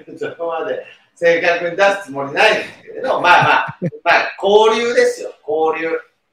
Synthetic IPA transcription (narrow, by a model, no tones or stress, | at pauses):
sokomad̪e̞ | se̞ːkakɯ̟ɲ̟id̪asɨ̥t͡sɨmo̞ɲʲinaĩnd̪akeɾed̪omaːmaːmako̞ːɾʲɨːd̪e̞sɨjoko̞ːɾʲɯː